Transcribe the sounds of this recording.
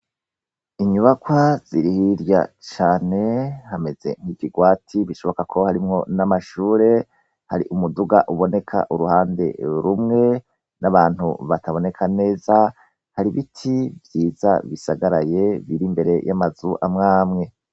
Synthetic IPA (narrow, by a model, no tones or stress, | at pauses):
iɲuβakwaz̥iɾihiɾja̰t͡ʃaːne̞hame̞z̥e̞̰nŋ̥hiːviɡwaːtʰiβiʃo̞βokakʰo̞haɾimŋo̞namaʃuːɾe̞ | ha̰ɾḭʔumuduɡaʔuβo̞ne̞kʰa̰ʔuɾuhaːnde̞̰ɾumŋe̞ | naβaːn̥hṵβataβo̞ne̞kʰane̞ːza | haɾiβitʰivjiːza̰βisaɡaɾaje̞βiɾimbe̞ɾe̞jʔamazuʔamŋaːmŋe̞